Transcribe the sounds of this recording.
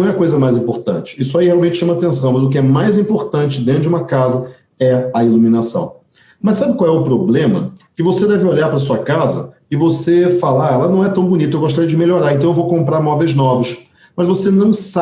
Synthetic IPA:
w̃ɛɐkojzɐmajzĩmpoɾt̪ɐ̰̃t͡ʃɪ̥isʊaihealˠwmẽnt͡ʃɪʃɐ̃mɐaːt̪ẽsɐ̃w̃mɐzʊk̬ɪɛmajzĩmpoɾt̪ɐ̃t͡ʃɪd̪ẽnt̪ɾʊd͡ʒɪũmɐkazɐ | ɛɐilumĩnasɐ̰̃w̃ | mɐssːabɪkwawɛʊpɾoblẽmɐ̰kɪvosed̪ɛvɪoʎaɾpɾɐs̬uɐkazɐ̰ | ɪvosefalaɾɛlɐnɐ̃w̃ɛt̪ɐ̃w̃bunit̪ɐewɡoʃt̪aɾijɐd͡ʒɪmeʎoɾaɾẽnt̪ɐ̃ewvowkõmpɾaɾmɔvejznɔvɐs | mɐzvosenɐ̃w̃sa

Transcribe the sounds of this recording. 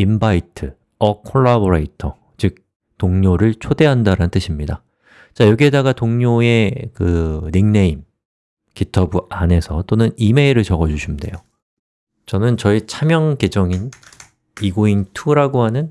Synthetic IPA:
imbaitʰɯ | ʌkʰoɭːaboɾeitʰʌ | t͡ɕɯk̚ | toŋɲoɾɯɭt͡ɕʰode̞ɦandaɾanɯnt͈ɯɕʰimɲida | t͡ɕajoɡiɦe̞daɡatoŋɲoe̞kɯniŋneim | kitʰʌbuane̞sʰʌt͈onɯnime̞iɾɯɭt͡ɕʌɡʌd͡ʑuɕʰimde̞̰jo | t͡ɕʌnɯnt͡ɕʌit͡ɕʰamjʌŋke̞d͡ʑʌŋin | iɡointʰuɾaɡoɦanɯn

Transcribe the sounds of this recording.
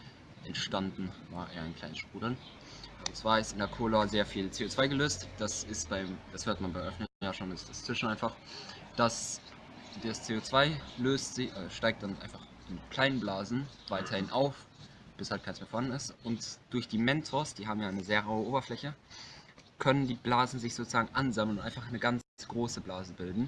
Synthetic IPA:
ʔɛntʃtandn̩vaːɐʔeːɐaɪnkʰl̥aɪnəsʃpʁ̥uːdl̩n | ʊnt͡sv̥aːɐɪstɪndeɐkʰoːlaːzeːɐfiːlt͡seːoːt͡sv̥aɪɡəløːstd̥asɪstb̥aɪmd̥ashøːɐtmanbaɪʔœfnəjaːʃoːnsɪsd̥ast͡sv̥ɪʃn̩ʔaɪnfaχ | d̥as | d̥ast͡seːoːt͡sv̥aɪløːstz̥ɪçʔɛːʃtaɪk̚td̥anʔa̰ɪ̃nfaχ | ɪnkʰl̥aɪnənblaːzn̩vaɪtʰɐhɪnʔaʊf | b̥ɪshalt̚kʰaɪnsmeɐfoːhandn̩ɪstʔʊntd̥ʊɐçd̥iːmɛntʰɔsd̥iːɦaːbm̩jaːʔaɪnəzeːɐʁaʊəʔoːbɐflɛçə | kʰœnəndiːblaːzn̩zɪçz̥oːt͡sʊz̥aːɡŋ̩ʔanzaml̩nʊntʔaɪnfaχnəɡanɡ̥ʁoːsəblaːzəbɪldn̩

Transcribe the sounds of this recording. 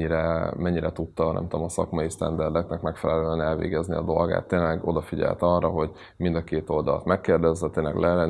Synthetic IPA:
iɾɛmɛɲːiɾɛt̪ut̪ːɒnɛ̰mt̪oomɒsɒ̰kmɒjist̪ɛnd̪ɛrd̪ɛknɛkmɛkfɛlɛløːɛnɛlvḛːɡɛzniɒ̰d̪o̞lɡa̰ːt̪ːeːnlɛɡo̞d̪ɒfiɟɛ̰lt̪ɒrːɒɦo̞ɟ | mind̪ɒkeːt̪o̞ld̪ɒlɒt̪mɛkːeːrd̪ɛzːɛt̪eːnlɛ̰ɡlʔɛːlɛn

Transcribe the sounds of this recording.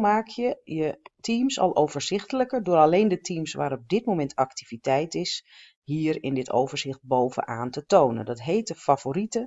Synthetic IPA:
maːkjəjətʰiːmsɑ̰lˠʔowv̥əɹz̥ɪxtələkərdʊːɾaleːndətʰiːmsʋaːɾɔb̚dɪt̚mowmɛntaktivitɛjtɪs | hiːɾɪndɪto̰wvəɹzɪxt̚bowvə̰ʔa̰ːntətoːwnə̰ndɑtɦejtəfav̥oːritə

